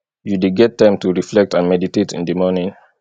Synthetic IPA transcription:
judeɡɛtːãɪ̃mtuɹiflɛk̚tãnmɛditetḭ̃ndəmɔnĩŋ

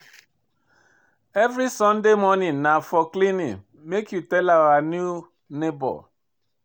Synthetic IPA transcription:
evɾisɔ̃ndemɔninafɔklinḭ | mekjutɛlawanju | nebɔ̰l

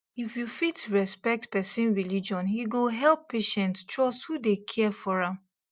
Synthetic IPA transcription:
ifjufitɹɛspɛk̚tpɛsĩnɹilid͡ʒɔ̃nhiɡoɦɛlˠpːeʃɛ̃ntt͡ʃɔshudekʰɛfɔɹãm

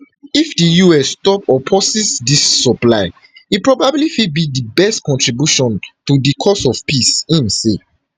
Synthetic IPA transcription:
ifdijuɛsstɔpɔpʰɔsɛsdisːɔplaɪ | ipɹɔbablifid̚bidibɛstkɔ̃ntɹibjuʃɔ̃ntudikʰɔsɔfpisĩmse

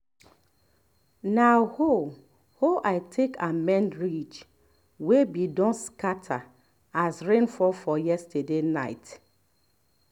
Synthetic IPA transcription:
naho | hoʔaɪtʰekamɛ̃nɹit͡ʃ | webidɔ̃nskatʰa | asɹẽnfɔfɔjɛstədenaɪt

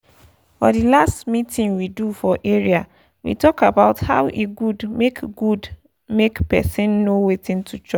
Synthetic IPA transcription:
fɔdilastmĩtĩnwidufɔʔeɹia | wḭtɔkabaʊtha̰ʊʔeɡudmekɡud | mekpɛ̰sĩnːowetĩntʰut͡ʃɔ

